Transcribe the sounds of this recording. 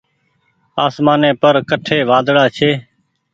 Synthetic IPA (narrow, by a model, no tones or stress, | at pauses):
aːsmaːnẽːpəɾkəʈʰeːʋaːd̪ɽaːt͡ʃʰeː